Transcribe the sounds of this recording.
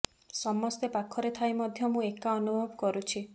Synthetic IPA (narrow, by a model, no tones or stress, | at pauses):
sɔmɔst̪epakʰːɔɾet̪ʰajmɔd̪ʱjɔmũekaɔnubʱɔbɔkɔɾut͡ʃʰi